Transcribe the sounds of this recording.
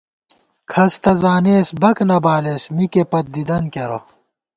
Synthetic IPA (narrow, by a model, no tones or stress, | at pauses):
kʰɐst̪ɐzaːneːsbɐknɐbaːlesmikepɐt̪̚d̪id̪ɐnkeɾo̰